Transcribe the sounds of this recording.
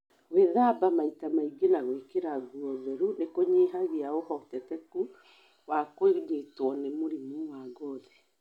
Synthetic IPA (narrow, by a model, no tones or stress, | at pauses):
weðaːbamaitamaiɡenaɣwekeɾaɡuɔðɛɾunekoɲeɦaɣeaohɔtɛtɛku | wakweɲetwɔnemoɾimuwaɡɔðɛ